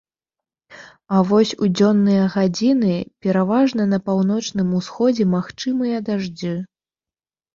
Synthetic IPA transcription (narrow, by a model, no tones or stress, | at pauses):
avɔsʲud͡zʲɔnːɨjɐɣad͡zʲinɨpʲɛɾavaʐnɐnɐpawnɔt͡ʂnɨmusxɔd͡zʲɛmaxt͡ʂɨmɨjɐd̪aʐd͡zɨ